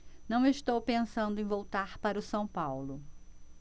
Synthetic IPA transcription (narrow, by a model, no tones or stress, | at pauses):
nɐ̃w̃eʃt̪owpẽsɐ̃nd̪ʊẽj̃vowt̪aɾpaɾʊsɐ̃w̃pawlʊ